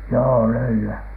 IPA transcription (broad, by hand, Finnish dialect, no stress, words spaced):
joː løylyæ